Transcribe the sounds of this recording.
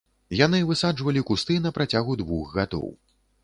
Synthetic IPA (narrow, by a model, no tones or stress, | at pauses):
janɨvɨsad͡ʐvɐlʲikust̪ɨnɐpɾat͡sʲaɣud̪vuɣɣad̪ɔ̰w